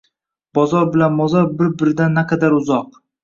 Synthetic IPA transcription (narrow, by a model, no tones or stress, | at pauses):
b̥ɒzɒɾbɪlanbɒzɒɾbɪɾbɪɾɪd̪anːaqʰɑd̪aɾʊzɒq